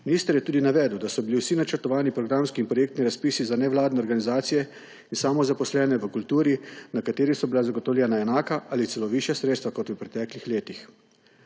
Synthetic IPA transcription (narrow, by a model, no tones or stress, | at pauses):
miniːst̪əɾjɛt̪uːd̪inaʋɛd̪wd̪asɔbiliwsinat͡ʃəɾt̪ɔʋaːnipɾɔɡɾamskiːnpɾɔjeːk̚t̪niɾaspiːsizanɛʋlaːd̪nɛɔɾɡanizaːt̪sijɛ | insaːmɔzapɔslɛːnɛʋəkult̪uːɾinakat̪eːɾisɔbilazaɡɔt̪ɔwlʲɛnaɛnaːkaʔalit̪sɛloʋiʃjasɾet̪st̪ʋakɔt̪əpɾɛt̪ɛːklixleːt̪ix